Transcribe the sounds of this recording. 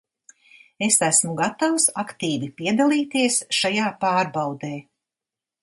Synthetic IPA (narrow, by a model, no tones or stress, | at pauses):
esæsmuɡat̪awsakt̪iːvipiɛd̪alˠiːt̪iɛsʃajaːpaːɾbawd̪eː